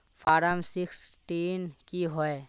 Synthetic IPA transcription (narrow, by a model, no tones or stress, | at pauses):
pʰaːɾəmsɪksʈiːnkiɦoe